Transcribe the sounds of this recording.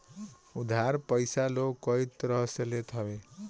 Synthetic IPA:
ud̪ʱaɾpʌjsalokʌit̪ɾʌɦselet̪ʰʌbe

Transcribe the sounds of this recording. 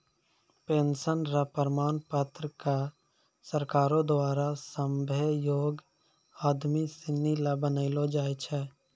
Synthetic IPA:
peːnsənɾapəɾmaːnpət̪ɾəka | səɾkaːɾõd̪waːɾasəmbʱejoːɡ | aːd̪misɪnːilabənaɪlod͡ʒaːjt͡ʃʰɛː

